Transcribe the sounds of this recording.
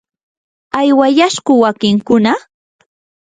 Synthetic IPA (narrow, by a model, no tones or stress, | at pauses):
ajwajaʃɢʊwakɪŋkʊna